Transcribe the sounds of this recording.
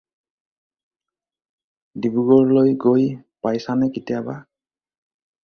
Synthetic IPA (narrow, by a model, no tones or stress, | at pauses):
dibuɡɔɹlojɡojpajsanɛkitijaba